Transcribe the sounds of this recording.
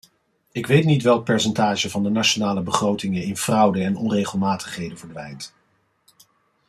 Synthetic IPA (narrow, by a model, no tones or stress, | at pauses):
ɪkʋejtnitʋɛlˠk̚pɛɹsɛntaːʒəvɑndənaʃonaːləbəχrowtɪŋəɪnv̥rʌwdəɛnɔnrejχəlˠmaːtə̥χɦejdənvəɹdʋɛjnt